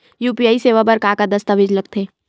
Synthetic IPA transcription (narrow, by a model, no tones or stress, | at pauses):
juːpijaːiseːʋabɐɾkaːkad̪ɐst̪aʋɪd͡ʒlɐɡ̚t̪ʰeː